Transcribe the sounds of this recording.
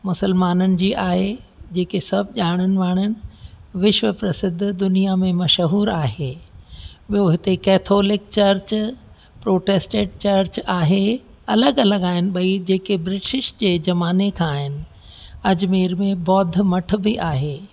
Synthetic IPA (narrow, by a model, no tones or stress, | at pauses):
mʊsəlmaːnənɪ̆d͡ʑiːʔaːɦed͡ʑeːkesɐbʱʄaːɽ̃ənɪ̆ʋaːɽ̃ənɪ̆ʋɪʃʋəpɾɐsɪd̪ʱːd̪ʊnijamẽmɐʃɦuːɾaːɦeː | ɓijoɦɪt̪ekɛːt̪ʰoːlɪk̚t͡ɕɐɾt͡ɕ | pɾoːʈeːsʈeɖ̚t͡ɕɐɾɾt͡ɕaːɦe | ɐləɡɐləɡaːɦɪnɪ̆ɓɐid͡ʑeːkebɾɪʈɪʃd͡ʑeːd͡ʑɐmaːnekʰãːɦɪnɪ̆ | ɐd͡ʑmiːɾmẽbɔːd̪ʱmɐʈ̆ʰbɪʔaːɦeː